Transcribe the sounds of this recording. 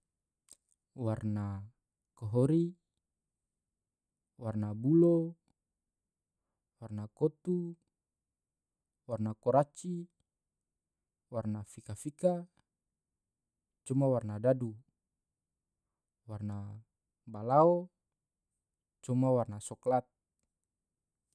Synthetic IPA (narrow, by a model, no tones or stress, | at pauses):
warna | kɔɦɔɾi | warnabulo | warnakɔt̪u | warnakɔɾat͡ʃi | warnafikafika | t͡ʃumawarnadadu | warna | balaɔ | t͡ʃumawarnasɔklat̪̚